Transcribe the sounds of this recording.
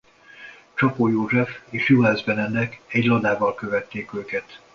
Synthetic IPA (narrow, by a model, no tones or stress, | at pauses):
t͡ʃɒpoːjoːʒɛfeːʃjuɦaːzbɛnɛnd̪ɛkɛɟlɒd̪aːvɒlkøvɛt̪ːeːkøːkɛt̪